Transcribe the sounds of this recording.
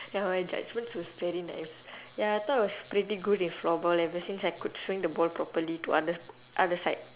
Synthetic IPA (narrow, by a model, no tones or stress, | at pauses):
jamajd͡ʒa̰d͡ʒmə̃nswɔsvɛɾina̰ɪsjaat̪ɔawɔspɹitiɡudĩnflɔbɔlɛvəsĩnsajkud̚swĩŋdəbɔlpɹɔpəlitua̰də | ʔadəsaɪd̚